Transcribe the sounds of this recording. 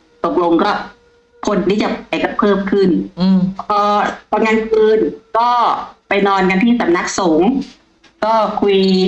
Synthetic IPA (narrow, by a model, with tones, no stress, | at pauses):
t̪o˨˩p̚lo˧ŋkɔː˥˩ | kʰo˧nt̪ʰiː˥˩t͡ɕa˨˩pa˧jka˨˩pʰɤː˥˩mkʰɯ˥˩npʰɔː˧p̪ʰɔː˧nŋaː˧nkʰɯː˧nkɔː˥˩pa˧jnɔː˧nk̬a˧nt̪ʰiː˥˩sa˨˦mna˦˥k̚soː˩˦ŋ | kɔː˥˩kʰu˧j